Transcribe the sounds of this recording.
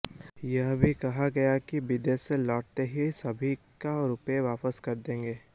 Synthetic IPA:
jɐɦbʱikɐɦaɡɐjakibɪd̪eselɔːʈ̚t̪eɦisɐbʱikaɾʊpeʋaːpəskɐɾd̪ẽːŋɡeː

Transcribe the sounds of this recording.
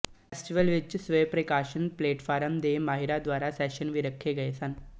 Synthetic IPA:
fesʈiʋəlʋit͡ɕːsʋəjpɾekaɕənpleʈfaɾəmd̪emaɦiɾad̪ʋaɾasɛʃənʋiɾəkʰːeɡəjsan

